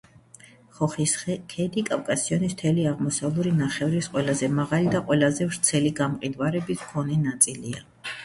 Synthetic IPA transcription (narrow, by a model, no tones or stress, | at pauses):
χɔχiskʰɛd̪ikʼafkʼasiɔnism̥t̪ʰɛliaʁmɔsavlˠuɾinaχɛvɾisqʼwɛlˠazɛmaʁalid̪aqʼwɛlˠazɛvɾt̪sʰɛliɡamqʼid̪vaɾɛbiskʰɔnɛnat̪sʼilḭa̰